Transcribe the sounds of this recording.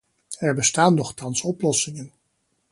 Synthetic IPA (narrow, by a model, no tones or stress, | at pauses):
ɛɹbəstaːnːɔχtɑnsɔplɔsɪŋən